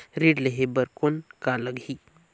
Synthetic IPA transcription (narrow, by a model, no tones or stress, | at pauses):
ɾiɖləɦebəɾkonkaləɡʱi